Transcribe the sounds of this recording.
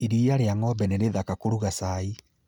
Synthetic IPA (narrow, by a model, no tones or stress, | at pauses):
iɾiaɾeaŋɔbɛneɾeðakakoɾuɣasai